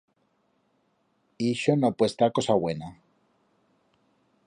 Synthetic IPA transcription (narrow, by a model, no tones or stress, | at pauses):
iʃonopwest̪ako̞saβwe̞na